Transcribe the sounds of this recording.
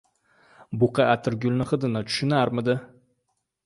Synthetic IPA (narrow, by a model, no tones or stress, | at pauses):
bʊqʰɑʔat̪ʰɪɾɡʲʊlˠnɪχɨd̪ɪnat͡ʃ̪ʰʊ̥ʃʊnaɾmɪd̪ɪ